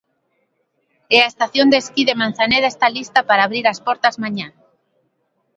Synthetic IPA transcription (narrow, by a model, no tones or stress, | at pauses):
ɛaest̪aθjond̪eskiðemãn̟θaneðest̪alist̪apaɾaːβɾiɾɐspɔɾt̪azmaɲã